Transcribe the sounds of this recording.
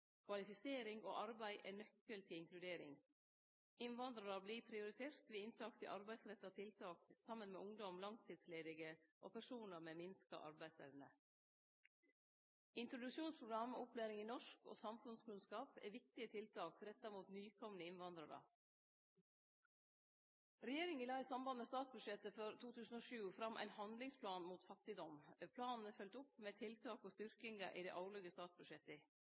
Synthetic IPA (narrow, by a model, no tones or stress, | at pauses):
kʰʋɑlɪfɪseːɾɪŋo̰ːʔɑɾbæɪʔɛːnœkːəlt̪ʰɪlɪŋklʉd̪eːɾɪ̰ŋ | ɪnʋɑnd̪ɾɑɾəbliːpʰɾɪʊɾɪt̪ʰeːɾt̪ʋiːɪnt̪ʰɑːk̚t̪ʰɪ̰ʔɑɾbæɪsɾɛt̪ːɑt̪ʰɪlt̪ʰɑːksɑmːənmeːʔʊŋd̪ɔmlɑŋt̪ʰiːd̪sleːd̪ɪɡəʔo̰ːpʰæʂuːnəɾmeːmɪnskɑ̰ʔɑ̰ɾbæɪslɛ̰ʋnə | ɪnt̪ɾʊd̪ʉʂuːnspʰɾʊɡɾɑmʊplæːɾɪŋiːnɔʂko̰ːsɑmfʉnskʉnskɑːpɛ̰ːʋɪk̚t̪ɪət̪ʰɪlt̪ʰɑːkɾɛt̪ːɑɾmuːt̪nyːkʰɔmənəɪnʋɑnd̪ɾɑɾə̰ | ɾɛjeːɾɪŋilɑɪsɑmbɑnmeːst̪ɑːt̪sbʉd̪ʂʃɛt̪əfɔɾt̪ʰuːt̪ʰʉːsn̩oːʃʉːfɾɑmʔæ̰ɪnhɑnd̪lɪŋspʰlɑːnmuːt̪fɑkt̪ɪd̪ɔmpʰlɑːnn̩əfœlt̪ʊpmeːt̪ʰɪlt̪ʰɑːkoːst̪ʏɾkɪŋə̰ʔḭːd̪ɛ̰ʔɑʊɭœɡəst̪ɑːt̪sbʉʂjɛt̪əɪ